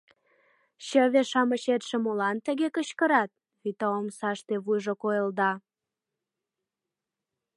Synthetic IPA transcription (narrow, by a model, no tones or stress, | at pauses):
ɕəβeʃɑməɕet̪ʃĕmolɑnt̪əɣekəɕkəɾɑt̪̚ | βit̪əomsɑʃt̪eβujʒokojəld̪ɑ